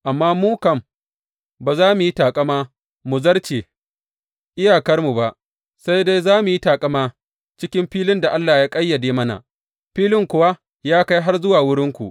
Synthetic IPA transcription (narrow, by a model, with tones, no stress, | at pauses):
ʔa˨mːaː˦muː˦kɐ˨m | baː˨zaː˦mu˨ji˦taː˨kʼɐ˦maː˦ | mu˨zɐ˦rt͡ʃeː˨ | ʔɪ˦jaː˨kɐ˦rmu˨ba˨ʔ | sa˦jda˦jzaː˦mu˨ji˦taː˨kʼɐ˦maː˦ | t͡ʃɪ˦kʲɪ˦mɸiː˦lɪ˦nda˨ʔa˦lːaː˨jaː˦kʼɐ˦jːɐ˨deː˦mɐ˦na̰˨ | ɸiː˦lɪ˦ŋkʷʊ˦wa˦ | jaː˦ka˦jɦa˦rzʊ˦waː˨wʊ˦ɽɪ˦ŋkʷu˨ʔ